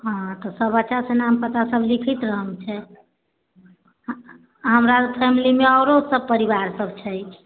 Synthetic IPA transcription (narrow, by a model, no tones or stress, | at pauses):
ɦãt̪ɔsəbəːt͡ʃasenampət̪asəbʱlikʰət̪ɾəɦəmt͡ʃʰɛ | ɦəmɾapʰɛmilimeɔɾosəb̚pəɾibaɾsəbt͡ʃʰɛjt͡ʃʰ